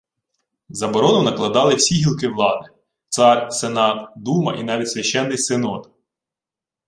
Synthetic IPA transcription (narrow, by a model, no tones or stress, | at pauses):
zɐbɔɾɔnʊnɐklˠɐd̪ɑlˠɪwsʲiɦʲilˠkɪʋlˠɑd̪ɪ | t̪sɑrʲsenɑt̪d̪umɐ̰ʔinɑʋʲitʲsʲʋʲɐʃɛnːɪjsenɔt̪